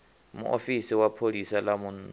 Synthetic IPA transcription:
mṵʔofisiwapʰolisalamun

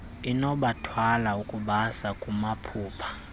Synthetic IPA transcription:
inɔɓatʰwalaukʼuɓasakʼumapʰuːpʰḁ

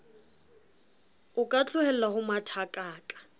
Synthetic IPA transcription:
ʊkʼat͡ɬʰʊhɛl̩ahʊmatʰakʼaːkʼḁ

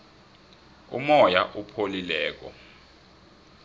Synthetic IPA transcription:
ṵmɔjaʔupʰolilɛːk̬ɔ̰

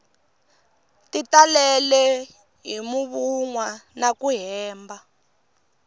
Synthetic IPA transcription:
titalɛlɛ | ɦimuβuŋwanakuɦɛːmba

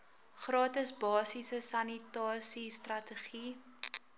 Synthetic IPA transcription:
χrɑːtəsbɑːsisəsɐnitɑːsistrɐtəχi

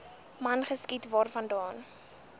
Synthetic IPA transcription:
mɐnχəskitvɑːrfɐndɑːn

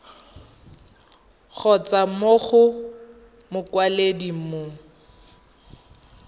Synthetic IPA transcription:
k͡xʰɔt͡samoχʊ | mʊkwaledimo

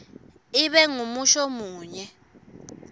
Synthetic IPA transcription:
iɓɛŋumuʃɔmuːɲɛ

